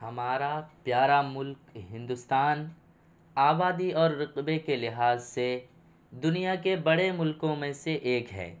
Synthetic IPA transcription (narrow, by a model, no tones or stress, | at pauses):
hɐmaːɾapjaːɾamʊlkɦɪ̃nd̪ʊst̪aːn | aːbaːd̪iɔːɾːɪqbekelɪɦaːzse | d̪ʊnijakebɐɽemʊlkõmẽseʔeːkɦɛ̰ː